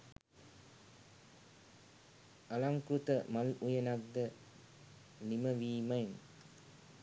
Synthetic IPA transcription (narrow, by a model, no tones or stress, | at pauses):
ɐlamkɾut̪ɐmɐlujɐnaɡ̚d̪ɐ | nimɐʋiːmɐjn